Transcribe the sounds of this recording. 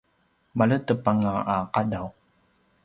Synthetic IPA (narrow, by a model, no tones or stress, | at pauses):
malətəpaŋaʔaqadaw